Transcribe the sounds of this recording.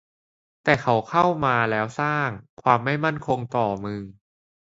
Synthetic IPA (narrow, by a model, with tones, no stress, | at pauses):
t̪ɛː˨˩kʰa˦˥wkʰa˥˩wmaː˧lɛː˦˥wsaː˥˩ŋkʰwaː˧mːa˥˩jma˥˩nkʰo˧ŋt̪ɔː˨˩mɯː˧